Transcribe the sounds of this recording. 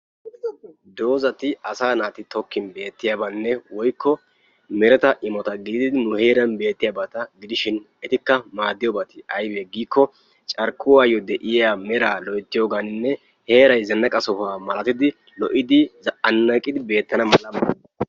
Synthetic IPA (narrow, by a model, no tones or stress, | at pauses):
d̪o̞ːzɐt̪ɪɐsaːnaːt̪ɪt̪ɔkːɪnbe̞ːt̪ːɪjaːbɐnːɛwɔjkʰːɔ | mɛɾɛt̪ɐʔɪmɔt̪ɐɡɪd̪ɪd̪ɪd̪ɪnʊhe̞ːɾɐnbe̞ːt̪ːɪjaːbɐt̪ɐɡɪd̪ɪʃɪn | ɛt̪ɪkːɐmaːd̪ːɪjɔbɐt̪ɪɐjbɛɡiːkːɔ | t͡ʃʼɐɾkːʊwaːjɔd̪ɛʔɪjamɛɾaːlɔʔɛt̪ːɪjoːɡannːɛ | he̞ːɾɐjzɛnːɐkʼɐsɔhaːmɐlɐt̪ɪd̪ɪ | lɔʔɪd̪ɪzɐʔɐnːɐkʼːɪd̪ɪbe̞ːt̪ːɐnɐmɐlːɐmɐ